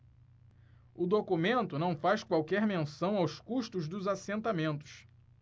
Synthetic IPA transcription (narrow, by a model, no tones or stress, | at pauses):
ʊd̪okumẽnt̪ʊnɐ̃w̃fajskwawkɛɾmẽsɐ̃w̃awskuʃt̪ʊzd̪ʊzasẽnt̪amẽnt̪ʊ̥s